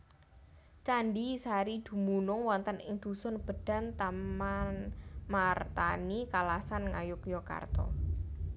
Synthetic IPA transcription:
t͡ʃanɖisaɾid̪̥ṳmunʊŋwɔnt̪ənʔɪŋd̪̥ṳsɔnb̥ə̤ɖ̥a̤nt̪ammanmart̪anikalasanŋajʊkjɔka̰rt̪ɔ̰

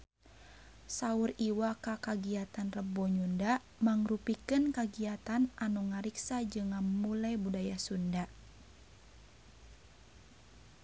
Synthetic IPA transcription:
sauriwakakaɡiat̪anrəbɔɲunda | maŋrupikɨnkaɡiat̪anʔanuŋaɾiksad͡ʒɨŋːamulajbudajasunda

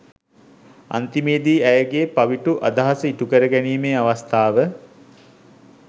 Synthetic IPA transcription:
a̰nt̪imiːd̪iːæjəɡeːpaʋiʈuʔa̰d̪aɦasəiʈukəɾəɡæniːmeːaʋast̪aːʋə

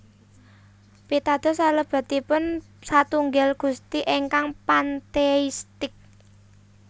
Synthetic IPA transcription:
pit̪ad̪̥ɔ̤saləb̥a̤t̪ipʊn | sat̪uŋɡɛlɡ̥ṳst̪iʔeŋkaŋpant̪eist̪ɪk̚

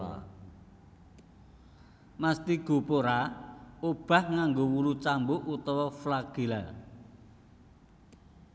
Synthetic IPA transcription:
mast̪iɡ̥o̤poɾaob̥ä̤hŋaŋɡowulut͡ʃambout̪ɔwɔflaɡ̥i̤la

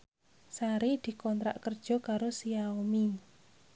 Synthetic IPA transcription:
saɾid̪̥i̤kɔnt̪ɾa̰ʔkərd̥ʒ̥ɔ̤kaɾosiaomi

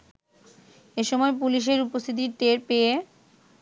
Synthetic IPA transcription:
eʃɔmɔep̬uliʃ̬eɾupost̪ʰit̪̬iɾʈeɾpee

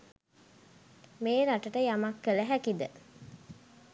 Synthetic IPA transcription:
meːɾaʈəʈəjamakːələɦækid̪ə

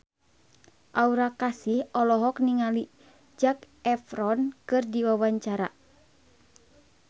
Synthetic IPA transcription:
ʔauɾakasihɔlɔɦɔk̚niŋali | d͡ʒak | ɛfɾɔnkɨrdiwawaɲt͡ʃaɾa

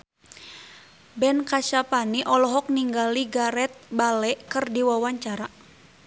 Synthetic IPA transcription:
bɛnkat͡ʃapaniʔɔlɔɦɔk̚niŋɡaliɡaɾɛt̪̚balɛʔkərdiwawaɲt͡ʃaɾa

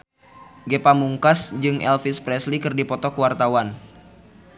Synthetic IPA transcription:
ɡepamuŋkasd͡ʒɨŋʔɛ̰lfispɾɛslikɨrdipɔt̪ɔkəwart̪awan

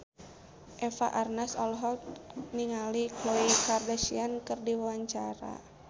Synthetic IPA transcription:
ʔɛfa̰ʔarnasɔlɦɔk̚niŋalikloikardasiankɨrdiwawaɲt͡ʃaɾa̰

